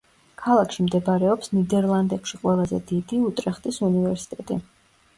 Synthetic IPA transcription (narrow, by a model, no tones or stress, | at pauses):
kʰalˠakʰʃimd̪ɛbaɾɛɔpsnid̪ɛɾlˠand̪ɛkʃiqʼwɛlˠazɛ̰d̪id̪iut̪ʼɾɛχt̪ʼisunivɛɾsi̥t̪ʼɛt̪ʼḭ